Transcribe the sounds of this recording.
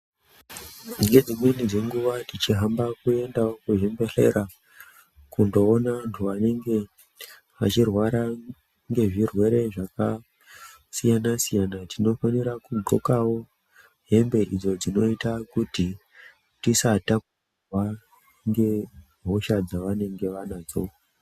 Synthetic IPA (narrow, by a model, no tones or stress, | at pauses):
ŋɡe̞d͡zimwe̞nid͡ze̞ŋɡuʋadit͡ʃiɦambakue̞ndaokuʐemberḛɾa | kundo̞ːnaantʰuʋane̞ŋɡe̞ | ʋa̰t͡ʃirwaɾa | ŋɡe̞ʐirwe̞ɾe̞ʐaka | sijanasijanatʰino̞faniɾakuɡʱo̞kawo̞ | ɦe̞mbe̞ʔid͡zo̞d͡zino̞itakuti | tisataku | wa | ŋɡe̞ | ɦoʃad͡zaʋane̞ŋɡe̞ʋanad͡zo